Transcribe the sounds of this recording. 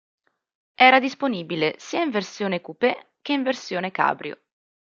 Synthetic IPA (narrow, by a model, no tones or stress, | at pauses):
ɛːɾad̪isponiːbilesiːaiɱversjoːnekupe | k̟ːeiɱversjoːneka̰ːbɾjo̰